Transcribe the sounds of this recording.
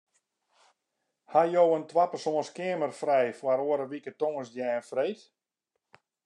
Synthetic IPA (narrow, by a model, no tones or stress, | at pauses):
hajowəntwapərsoənskɪəmərfrɛjfwaɾoəɾəʋikətoŋəsdjɛːnfrejt